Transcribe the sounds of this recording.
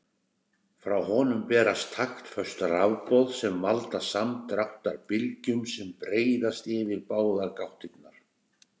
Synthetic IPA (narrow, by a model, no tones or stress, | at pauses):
fɾawhɔnʏmpɛːɾast̪ʰːaxt̪fœst̪rawpɔðsɛmːalt̪asamt̪ɾawht̪aɾpɪlcʏmsɛmpɾeːjðast̪ɪːvɪɾpaːwðaɾkawht̪ɪt̪naɾ̥